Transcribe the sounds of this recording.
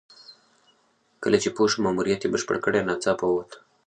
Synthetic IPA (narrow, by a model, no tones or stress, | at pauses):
kə̰let͡ʃipuʃəmamuɾiat̪ibəʃpə̰ɽkəɽanat͡sapout̪